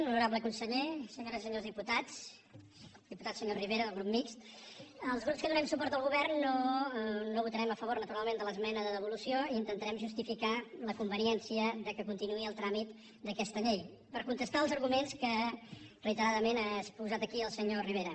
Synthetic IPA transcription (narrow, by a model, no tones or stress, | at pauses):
nunuɾaβləkunsəʎesəɲoɾəzisəɲozðiput̪at͡s | d̪iput̪asəɲoriβeɾəðəlˠɣ̞ɾup̚mikst̪əlˠzɣɾupskənuɛmsupɔɾt̪əlˠɣ̞uβɛrnːo | noβut̪əɾɛməfəβornət̪uɾalˠmend̪ələzmɛnəðəðəβ̞ulusioiint̪ənt̪əɾɛmʒust̪ifikaləkumbəniɛnsiəðəkəkunt̪inuiəlˠt̪ɾamit̪ | d̪əkɛst̪əʎej | pəɾkunt̪əst̪aəlˠzəɾɣumenskərəit̪əɾaðəmenaspuzat̪əkiəlˠsəɲoriβeɾə